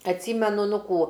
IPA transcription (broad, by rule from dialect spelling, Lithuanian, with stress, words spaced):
ɐtʲˈsʲiːmʲɛnʊ ˈnʊ ˈkuː